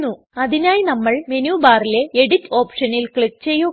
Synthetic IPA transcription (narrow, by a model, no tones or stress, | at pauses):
u | ɐðinaːjinɐmːɐɭme̞nuːbaːrile̞eɽitːo̞ːpʂɐnilkɭik̚t͡ɕe̞jːu